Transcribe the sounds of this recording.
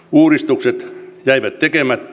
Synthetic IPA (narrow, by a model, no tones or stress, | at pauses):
uːrist̪ukset̪jæiʋæt̪t̪ekemæt̪ː